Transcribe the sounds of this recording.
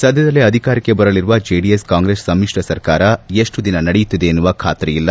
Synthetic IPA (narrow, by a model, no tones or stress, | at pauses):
sɐd̪ʱjɐd̪ɐlːiɐd̪ʱikaːɾikːebɐɾɐɭiɾuʋɐd͡ʒeːɖijeskaːŋɡɾeːsːɐmːiʂʈɐsɐɾkaːɾɐe̞ʂʈud̪inɐnɐɽejut̪ːid̪e̞ːnːuʋɐkʰaːt̪ɾɛjilːɐ